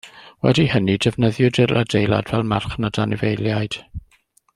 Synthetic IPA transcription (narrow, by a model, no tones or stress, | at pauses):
wɛ̰dihənidɛvnəðjʊdɪradejlˠa̰dvɛlˠmarχnadanɪvejlˠjajd̥